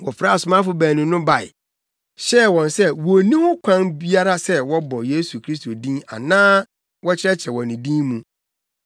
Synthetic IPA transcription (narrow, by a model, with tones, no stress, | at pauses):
wɔ˨fɾa˦˨sʊ˨˦mã˦fʊ˦bæː˨nũ˨nʊ̃˦ba˨ɪ̰˨ | ɕɛ˦˨wɔ̃˨nsɛ˦wɔ˨nĩ˦hʊ˦kʷʰã˦nbi˦a˦ɾa˦sɛ˦wɔ˦bɔ˨je˦su˨kʰɾi˦s̬to˨dĩ˦na̰˨nãː˦ | wɔ˦t͡ɕʰɪ˦ɛ˦t͡ɕʰɛ˨wɔ˨nĩ˨dĩ˦mũ˨